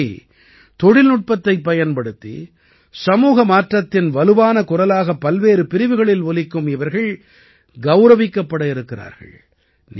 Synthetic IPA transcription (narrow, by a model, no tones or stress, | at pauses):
t̪ɔɽɪlnʊʈ̚pɐt̪ːɐɪpːɐjɐnpɐɽɯt̪ːḭ | sɐmuːɣɐmaːʈrɐt̪ːɪnʋɐlɯʋaːnɐkʊrɐlaːɣɐpːɐlʋeːɾɯpɪɾɪʋɯɣɐɭɪlʋɔlɪkːɯmɪʋɐɾɣɐɭ | ɡɐʊɾɐʋɪkːɐpːɐɽɐɪɾɯkːɪra̰ːɾɣɐ̰ɭ | n